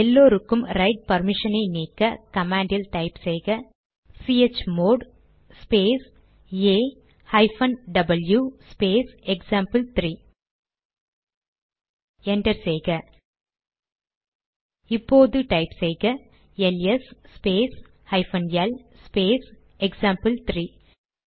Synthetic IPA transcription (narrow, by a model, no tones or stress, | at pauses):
ɛlːoːɾɯkːɯmɾɐɪʈ̚pɐɾmɪʂɐnɐɪneːkːɐkɐmaːɳɖiɐlʈɐɪpseːɣɐ | siːet͡ʃːmoːɖ | speːs | eː | hɐɪfɐnɖɐbɐljuspeːsɛksaːmpɐlt̪ɾiː | ɛɳɖɐɾseːɣɐ | ipːoːðɯʈɐɪpseːɣɐ | ɛlesspeːs | hɐɪfɐnɛl | speːs | ɛksaːmpɐlt̪ɾiː